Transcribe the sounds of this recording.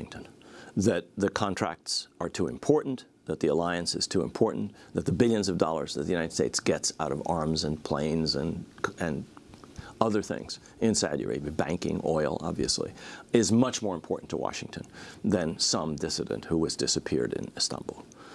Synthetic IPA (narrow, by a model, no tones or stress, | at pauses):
ɪ̃ŋtʰɨ̃nðɨt̪̚ðɨkʰɑ̃ntʰɹ̥æ̰k̚tsə˞tʰuɨ̰̃mpʰɔɹʔn̩ | ðɨt̪̚ðiəlaɪɨ̃nsɨz̥tʰuɨ̰̃mpʰɔɹʔn̩ðɨt̪̚ðəbɪlˠjɨ̃nzʌvdɔlˠə̰˞zðɨt̪̚ðɨjʉnaɪɾɨd̥steɪtsɡ̥ɛtsaʊɾʌvɑɹmzɨ̃npʰl̥ḛ̃ɪ̃nzɨ̃nɨ̃n | ʌðə˞θɪ̰̃ŋz̥ | ɨ̃nsæ̰djə̰˞ḭbæ̃ŋkɪ̰̃ŋɔɪl̩ˠɑ̰bviɨslḭɪzmʌt͡ʃmɔɹɨ̃mpʰɔɹʔn̩tʰə̰wɑ̰ʃɪ̃ŋtʰɨ̃nðɨ̃nsʌ̃mdɪsɨɾɨ̰̃nʔ̚huɨzdɪsɨpʰɪ̰ɹɾɨ̰̃nɨstʌ̰̃mbl̩ˠ